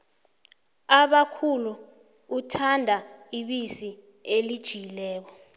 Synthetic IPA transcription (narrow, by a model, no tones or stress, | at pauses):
aɓakʰuluː | tʰandʱa | iɓisi | elid̥ʒ̥ʱiilɛːk̬ɔ